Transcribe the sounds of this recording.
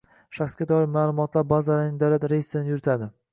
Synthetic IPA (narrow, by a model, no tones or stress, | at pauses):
ʃaχsɡʲad̪ɒɪɾmaːlˠʊmɒt̪laɾbazalaɾnɪd̪awlat̪ɾeist̪ɪnɪjʊɾɪt̪ʰad̪ɪ